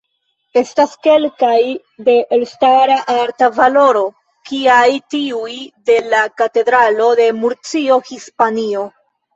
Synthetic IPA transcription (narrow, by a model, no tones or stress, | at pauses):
e̞staske̞lkaj | de̞ʔelstaɾaʔaɾtavalo̞ɾo̞ | kiajtiujde̞lakate̞dɾalo̞de̞muɾt͡sio̞hispanio̞